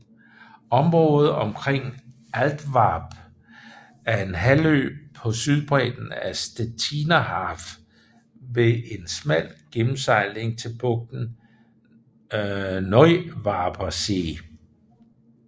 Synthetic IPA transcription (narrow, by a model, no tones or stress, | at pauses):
ɒ̽mʁɔ̽ːðˠð̩ˠɒ̽mkʰʁeŋ̰ | ʔæld̥ʋɑ̈ːb̥ | æɐe̝nɦælø̰ːb̥̚pʰɒ̽syð̞ˠb̥ʁɛ̰ːd̥n̩æsd̥æt͡sʰinæhɑːf | ʋe̝e̝nsmæl̰ɡ̥emm̩sɑ̈ɪ̰le̝ŋt͡sʰe̝lb̥ɔ̽ɡ̥̚d̥n̩ | nɒɪʋɑ̈ːb̥ʰɐse̝